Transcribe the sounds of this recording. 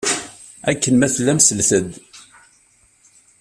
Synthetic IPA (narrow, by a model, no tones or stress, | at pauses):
ækːənmæθlːæmsəlθəd̪